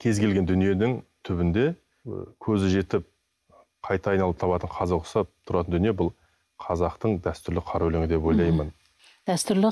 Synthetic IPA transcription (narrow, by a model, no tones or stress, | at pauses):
kʲʰe̞zɡʲe̞lɡʲe̞nd̪ʏnije̞nɪŋt̪ʰʏbɪnd̪e̞ | kʲʰɵzɪʒe̞t̪ɪp̚ | qʰɑjt̪ɑːjnɑlˠəp̚t̪ʰɑpɑt̪əɴqʰɑzəqʰʊsɑp̚t̪ʰʊɾɑt̪ənd̪ʏnijebʊlˠ | qʰɑzɑqt̪əɴd̪æst̪ʏɾlɪqʰɑɾɵlɪŋɪd̪e̞p̬o̞jlˠɑjmən | d̪̥æst̪ʏɾlɪ